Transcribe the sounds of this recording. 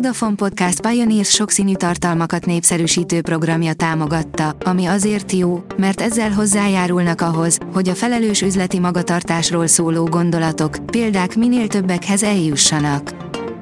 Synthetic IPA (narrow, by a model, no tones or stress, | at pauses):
d̪ɒfo̞mpo̞t̪̚kast̪̚pɒjoniːrsʃo̞ksiːnyːt̪ɒrt̪ɒlmɒkɒt̪neːpsɛɾyːʃiːt̪øːpro̞ɡrɒmjɒt̪aːmo̞ɡɒt̪ːɒɒmiɒzeːrt̪joːmɛrt̪ɛzːɛlɦo̞zːaːjaːɾulnɒkɒɦo̞zho̞ɟɒfɛlɛløːʃyzlɛt̪imɒɡɒt̪ɒrt̪aːʃroːlsoːloːɡo̞nd̪o̞lɒt̪o̞kpeːld̪aːkmineːlt̪ø̞bːɛkhɛzɛljuʃːɒnɒk